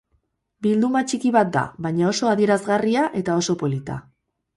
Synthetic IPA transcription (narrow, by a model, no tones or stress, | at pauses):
bild̪umat͡ʃikiβ̞at̪̚d̪a̰βajɲao̞so̞aðie̞ɾazɣariaʔe̞t̪ao̞so̞po̞lit̪a̰